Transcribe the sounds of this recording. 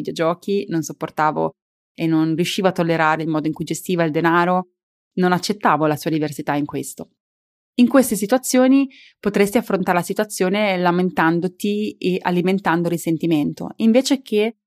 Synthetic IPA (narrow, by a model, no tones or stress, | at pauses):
id̪jod͡ʒɔːkinonsopːort̪aːvo̰ | enːonrjuʃːiːvoat̪ːolːeɾaːɾeilmɔːd̪oiŋkujd͡ʒest̪iːvaild̪enaːɾo | nonat͡ʃːet̪ːaːvolasuːad̪iversit̪aiŋkwest̪o | iŋkwest̪esit̪uat̪sːjoːni | pot̪ɾest̪iafːɾont̪aɾelasit̪uat̪sːjoːnelament̪and̪ot̪ieʔa̰liment̪and̪oɾisent̪iment̪o̰iɱveːt͡ʃek̟e